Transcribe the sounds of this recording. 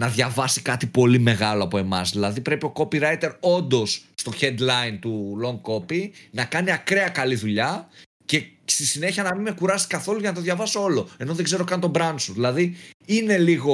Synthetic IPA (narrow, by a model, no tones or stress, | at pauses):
nɐðʝɐvɐsi̥kɐt̪ipo̞lime̞ɣɐloɐpo̞e̞mɐ̰zðilɐðipɾe̞pio̞ko̞piɾɐjt̪e̞ɾo̞nd̪o̞sːt̪o̞çend̪lɐint̪ulo̞ŋɡ̚ko̞pinɐkɐniɐkɾe̞ɐkɐliðuʎɐ | ce̞st̪isine̞çiɐnɐmimekuɾɐsi̥kɐθo̞luʝɐnɐt̪o̞ðʝɐvɐsoo̞lo̞e̞no̞ðeɡze̞ɾokɐnit̪obɾɐnsuðilɐðiine̞liɣo̞